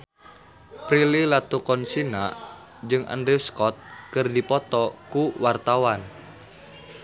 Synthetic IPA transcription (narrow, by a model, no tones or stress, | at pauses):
pɾililat̪ukɔnsina | d͡ʒɨŋa̰ndɾeskɔt̪̚kərdipɔt̪ɔkuwart̪awan